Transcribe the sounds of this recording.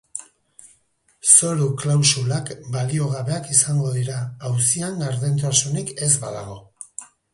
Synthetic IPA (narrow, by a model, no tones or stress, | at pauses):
so̞ɾuklawsulakbalio̞ɣ̞aβe̞akisaŋɡo̞ðiɾaːwsiaŋɡaɾðent̪̬asunike̞zbaðaɣ̞o̞